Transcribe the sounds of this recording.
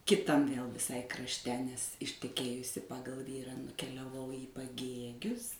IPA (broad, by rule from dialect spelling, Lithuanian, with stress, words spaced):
kʲɪˈtɐm ʋʲeːlˠ ʋʲɪˈsɐɪ krɐʃʲˈtʲɛ nʲɛs ɪʃʲtʲɛˈkʲeːjʊsʲɪ ˈpɑːɡɐlˠ ˈʋʲiːrɑː nʊkʲɛlʲɛˈʋɐʊ iː pɐˈɡʲeːɡʲʊs